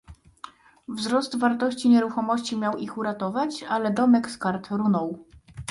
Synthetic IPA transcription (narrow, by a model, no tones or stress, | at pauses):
vzɾɔst̪vaɾt̪ɔɕt͡ɕiɲɛɾuxɔmɔɕt͡ɕimʲjawixuɾat̪ɔvat͡ɕalɛd̪ɔmɛkskaɾt̪ɾunɔw